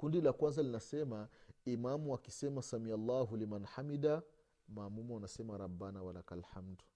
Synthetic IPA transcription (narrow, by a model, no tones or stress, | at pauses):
kundilakwanzalinasɛmaimamuakisɛmasamialːaɦulimanħamida | maːmumuwanasɛmaɾabːanawalakalħamdu̥